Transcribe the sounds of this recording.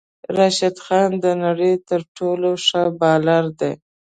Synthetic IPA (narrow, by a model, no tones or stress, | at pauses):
ɾɑʃad̪xɑnd̪ənaɽəjt̪əɾʈoloʂəbɑlaɾd̪e